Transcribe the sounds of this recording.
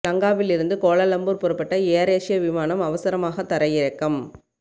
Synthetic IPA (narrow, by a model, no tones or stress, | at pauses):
lɐŋɡaːʋɪlɪɾɯnd̪ɯkoːɭɐlɐmbuːɾpɔɾɐpːɐʈːɐeːɐɾeːʂɪjɐʋɪmaːnɐmɐʋɐsɐɾɐmaːɣɐt̪ːɐɾɐjɪɾɐkːɐm